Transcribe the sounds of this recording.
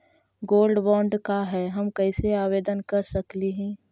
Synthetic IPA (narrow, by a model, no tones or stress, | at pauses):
ɡoːlɖbɔ̃ːɳɖkaɦɛːɦɐmkɐɪseaːʋeːd̪ənkɐɾsɐkliɦɛ̃ː